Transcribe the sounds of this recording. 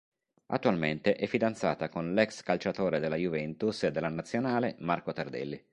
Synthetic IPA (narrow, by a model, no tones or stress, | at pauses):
a̰t̪ːualment̪eʔɛfːid̪ant̪sa̰ːt̪akonlɛkskalt͡ʃat̪oːɾed̪elːajuvɛnt̪used̪ːelːanat̪sːjonaːlemarkot̪ard̪ɛ̰lːi